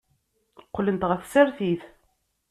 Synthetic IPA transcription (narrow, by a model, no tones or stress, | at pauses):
qːlənt̪ʁəθsæɾθiθ